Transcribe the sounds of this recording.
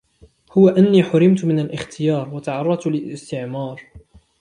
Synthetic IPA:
hʊwaʔanːiːħʊɾɪmt̪mɪnalʔɪxt̪ʰɪjɑːɾˤwat̪aʕɑrˤːɑt̪lɪlɪst̪ɪʕmɑːɾˤ

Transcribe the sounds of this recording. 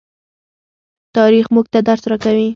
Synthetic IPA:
t̪ɑɾixmuɡ̚t̪ad̪aɾsɾakawi

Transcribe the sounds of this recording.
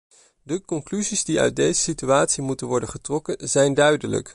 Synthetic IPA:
dəkɔŋklyzizdiœ̰ɥt̚dejzəsityaːtsimutənʋɔɹdənχətrɔkənzɛjndœɥdələ̰k

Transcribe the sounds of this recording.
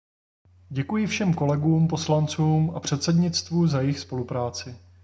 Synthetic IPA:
ɟɛkujɪfʃɛmko̞lɛɡuːmpo̞slant͡suːmʔapr̝̥ɛt̪sɛdɲɪt͡st̪vuːzajɪxspo̞lupɾaːt͡sɪ

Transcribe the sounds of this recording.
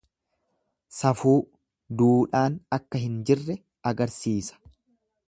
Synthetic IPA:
sɐfuː | d̪uːᶑaːnɐkːɐɦɪnd͡ʒɪrːɛ | ɐɡɐɾsiːsɐ̥

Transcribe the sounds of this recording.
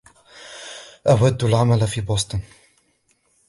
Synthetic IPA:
ʔawad̪ːalʕamalfiːboːsˤt̪ˤɨn

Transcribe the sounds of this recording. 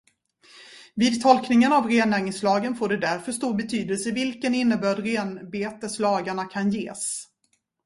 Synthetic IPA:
viːd̪̚t̪ʰɔlknɪŋənavɾeːnæːɾnɪŋslɑːɡənfoːɖɛd̪æɾfœʂt̪uːɾbɛt̪ʰyːd̪əlsəvɪlkənɪnːəbœːɖɾeːnbeːt̪əslɑːɡaɳakʰanjeːs

